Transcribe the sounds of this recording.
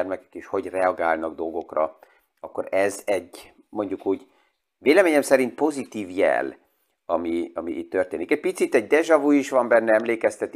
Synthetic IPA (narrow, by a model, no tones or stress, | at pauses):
rmɛkɛ̥keːʃho̞ɟrɛɒɡaːlnɒɡd̪o̞lɡo̞krɒ̰ | ɒkːo̞̰ɾɛzɛɟ | mo̞ɲɟukuːɟ | veːlɛmeːɲɛmsɛɾint̪̚po̞zit̪iːvjɛ̰l | ɒmiɒmḭʔḭt̪ːørt̪eːnikɛc̚pit̪sit̪ɛɟ̚d̪ɛʒɒvuiʃʋɒmbɛnːɛɛmleːkɛst̪ɛt̪